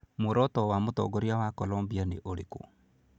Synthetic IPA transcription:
moɾɔtɔwamotɔ̰ɡoɾiawakɔlɔmbianḛʔoɾeko̰

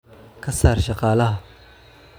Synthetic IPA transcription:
kʰɐsaːrʃɑqɑːlɐɦɐ

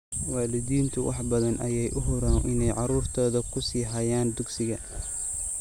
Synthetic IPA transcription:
wɑːlɪðiːnt̪ʰʊwʔɑ̰ħbɐðɐnʔɐ̰jɛjʔʊɦʊɾaːnʔɪnɛjʕɑɾuːrt̪ʰɔːðɐkʰʊsiːɦɐjaːnd̪ʊɡsɪɣɐ

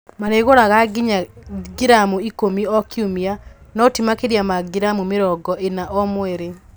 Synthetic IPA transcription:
maneɣoɾaɣaɡiɲaɡiɾamuikomiɔkiumianɔtimakeɾjamaɡiɾamumeɾɔɡɔʔenaʔɔmwɛɾe

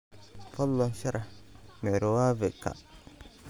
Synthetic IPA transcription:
fɔlːɔnsɛɾʔamɛɾowaːveka̰

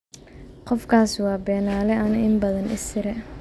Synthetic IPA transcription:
qɔfkʰaːswɑːbɛːnaːlɛɐnɐʔɪmbɐðɐnɪst̪ʰɪɾɛ

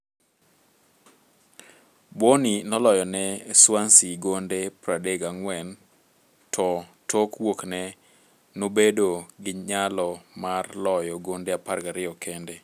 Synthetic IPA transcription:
boninɔlɔjɔnɛswansiɡondepɾadeɡaŋwɛn | tʰɔtʰokwoknɛ | nobedoɡɪɲalɔmarlɔjɔɡondeaparɡaɾɪɔkʰɛnde

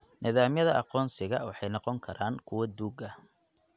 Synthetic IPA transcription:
nɪðaːmjɐðɐʔɑqɔːnsɪɣɐwɑħɑjnɑqɔŋkʰɐɾʔaːnkʰʊwɐd̪uːɡɐ

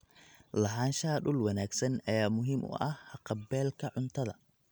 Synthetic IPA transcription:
lɐħaːnʃɐɐɗʊlwɑnaːɡsɐnɐjaːmʊɦiːmʔʊ̰ʔɐhhɐqɑbɛːlkʰɐʕʊnt̪ʰɐðɐ̰

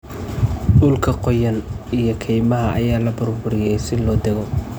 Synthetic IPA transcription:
ɗʊlkʰɐqɔjɐnijɞkʰɛjmɐɦɐʔɐ̰jaːlɐbʊrbʊɾɪjɛjsɪlɔːd̪ɛɣɔ

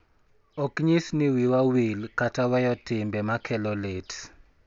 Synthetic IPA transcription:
okɲisniwiwawilkatawɛjɔtɪmbɛmakʰɛlɔlet

